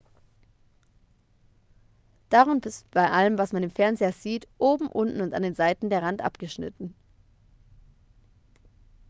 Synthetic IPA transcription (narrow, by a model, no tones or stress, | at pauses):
d̥aʁʊnbɪsb̥aɪʔaləmvasmandeːmfɛɐnzeːɐziːtʔoːbm̩ʔʊntn̩ʊnta̰ndeːnzaɪtn̩deːɐʁantʔa̰pɡ̥əʃnɪ̰tn̩